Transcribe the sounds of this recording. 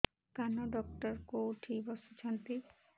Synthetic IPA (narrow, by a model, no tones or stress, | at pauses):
kanoɖɔk̚ʈɔɾkoʈʰibɔsut͡ʃʰant̪i